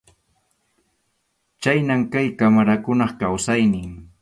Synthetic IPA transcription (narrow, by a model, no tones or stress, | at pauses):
t͡ʃajnamkajkamaɾakʊnɑχkawsajnɪŋ